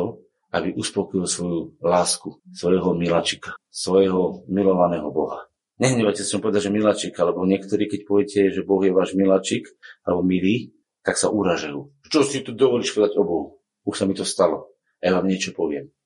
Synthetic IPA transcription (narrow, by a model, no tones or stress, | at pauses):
ɔ | abiʔuspɔkilsʋɔjulaːskusʋɔjɦɔmilat͡ʃikḁsʋɔjɦɔmilɔʋanɛːɦɔbɔɦa | ɲɛɦɲɛʋacɛsiampɔʋɛd̪aɟʒɛmilat͡ʃikalɛbɔɲɪɛkt̪ɔɾiːkɛcpɔʋjɛcɛʒɛbɔɣjɛʋaːʒmilat͡ʃikalɛbɔmiliː | t̪aksaʔuɾaʒajuː | t͡ʃɔsit̪ud̪ɔʋɔliːʃpɔʋɛd̪aɟɔbɔɦu | uʃsamit̪ɔst̪alɔ | ajaʋaːmɲɪɛt͡ʃɔpɔʋɪɛm